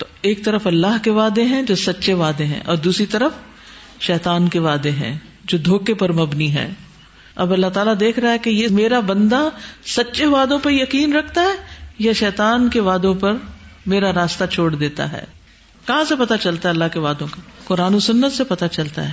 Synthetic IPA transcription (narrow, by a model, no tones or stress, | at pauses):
t̪oːeːk̚t̪ɐɾəfɐlːaːɦkeʋaːd̪eɦɛ̃d͡ʒoːsɐtːʃeʋaːd̪eɦɛ̰̃ʔɔ̰ːɾd̪uːsɾit̪ɐɾəf | ʃɛːt̪aːnkeʋaːd̪eɦɛ̰̃ː | d͡ʒoːd̪ʱoːkepɐɾmɐbniɦɛ̰̃ː | ɐbɐlːaɦt̪aːlad̪eːkʰɾɐɦaɦɛkejemeːɾabɐ̃nd̪asɐtːʃeʋaːd̪õpɐɾjɐkiːnɾɐkʰt̪aɦɛːjaʃɛːt̪aːnkeʋaːd̪õpɐɾmeːɾaɾaːst̪at͡ʃʰoːɽd̪eːt̪a̰ɦɛ̰ː | kɐɦãsepɐt̪at͡ʃɐlt̪aɦɛɐlːaɦkeʋaːd̪õkakʊɾaːnosʊnːət̪sepɐt̪at͡ʃɐlt̪a̰ɦɛː